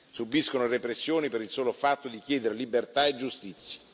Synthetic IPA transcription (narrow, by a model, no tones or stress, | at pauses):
subiskonorepɾesːjoːnipeɾilsoːlofat̪ːod̪ik̟jɛːd̪eɾelibert̪aed͡ʒust̪it̪sːjḁ